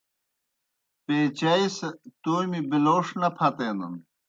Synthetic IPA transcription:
peːt͡ɕɐiset̪uːmibiloːʂnɐpʰɐt̪eːnd̪ṵn

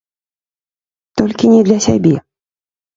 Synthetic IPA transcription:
t̪ɔlʲkʲinʲɛd̪lʲasʲabʲɛ

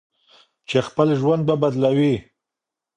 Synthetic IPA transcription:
t͡ʃexpəlʒwand̪̚babad̪lawi

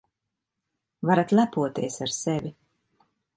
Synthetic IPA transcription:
vaɾat̪lˠæpuɔt̪iɛsaɾsɛvi

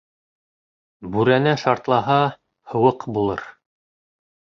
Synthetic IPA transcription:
bʉɾænæʃɑɾt̪lˠɑɦɑ | hɤ̆wɤqbulˠɤ̰ɾ

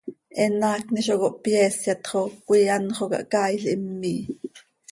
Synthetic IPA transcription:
ʔɛnɑːkniʃ̬okoʔpjeːsjɑt̪χokʷijɑnχokɑ̰ʔkɑːjɬʔimːiː

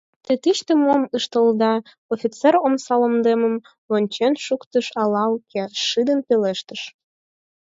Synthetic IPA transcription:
t̪et̪iʃt̪emomɯʃt̪əld̪ɑ | ofʲit͡seɾomsɑlə̆md̪eməm | onʲt͡ɕenʃukt̪əʃɑlɑukʰeʃɨd̪ənpeleʃt̪ə̆ʃ

